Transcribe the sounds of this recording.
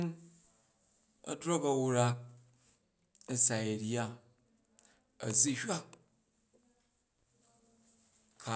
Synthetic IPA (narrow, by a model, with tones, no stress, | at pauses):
n | ɐ̰˦dɾo˦kɐ˨wu˦ɾa˦k̚ | ɐ˦sa˨jɐ˨ɾja˦ | ɐ̰˨zi˦hʲa˦k | kʰa˨